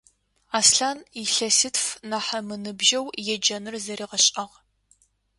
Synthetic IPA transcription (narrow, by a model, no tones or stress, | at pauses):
aːsɬaːniɬɐsɨtfnaːħɐmɨnɨbʒɐwjɛd͡ʒɐnɨrzɐɾiːʁɐɕʼɐʁ